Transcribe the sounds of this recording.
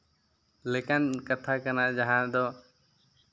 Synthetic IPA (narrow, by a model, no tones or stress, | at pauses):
lekənkət̪ʰaːkənaːd͡ʒaɦãːd̪ɔː